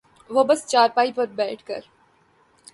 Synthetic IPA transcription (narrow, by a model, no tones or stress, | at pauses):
ʋobɐst͡ʃaːɾpaːipɐɾbɛːʈʰkɐ̰ɾ